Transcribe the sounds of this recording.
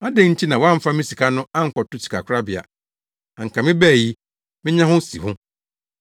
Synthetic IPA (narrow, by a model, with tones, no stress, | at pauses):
a˦dɪ̃˦ɲ̩˦tʰi˦nã˨wɔ˦ã˦m̩˦fa˦mɪ̃˦si˨kʰa˦nʊ̃˦ã˦ŋ̩˦˨kɔ˨tʊ˦t͡ɕʰi̥˨kʰa˨kʷʰʊ˦ɾa˦bɪ˨a̰˨ | a˨ŋ̩˨kʰa˨mɪ̃˦bɛː˦˨ji˦ | mɪ̃˦ɲã˦ɦʊ̃˦sḭ˨hʊ̃˦